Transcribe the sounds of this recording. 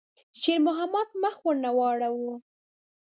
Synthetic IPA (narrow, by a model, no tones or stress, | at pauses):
ʒeɾmʊɦamat̪̚maxwəɾnawɑɽawu